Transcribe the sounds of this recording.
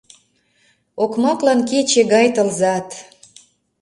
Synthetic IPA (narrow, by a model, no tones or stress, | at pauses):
okmɑklɑnket͡ɕeɣɑjt̪ə̆lzɑt̪